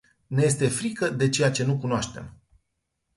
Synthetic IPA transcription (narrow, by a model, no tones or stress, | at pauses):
neje̞s̬t̪e̞fɾikəd̪e̞t͡ʃe̞jat͡ʃe̞nukunoaʃt̪e̞̰m